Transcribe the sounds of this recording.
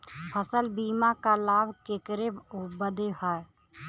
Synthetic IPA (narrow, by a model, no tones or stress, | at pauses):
pʰəsəlbiːmakalaːbkekəɾebobəd̪eɦae